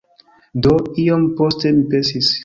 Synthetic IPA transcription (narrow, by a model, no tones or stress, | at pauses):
doiomposte̞mipesis